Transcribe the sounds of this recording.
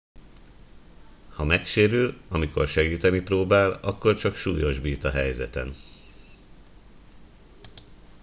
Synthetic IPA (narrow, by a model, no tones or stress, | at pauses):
hɒmɛkʃeːɾylɒmiko̞̰rʃɛɡiːt̪ɛniproːbaːlɒkːo̞rt͡ʃɒkʃuːjo̞ʒbiːt̪ɒɦɛjzɛ̰t̪ɛ̰n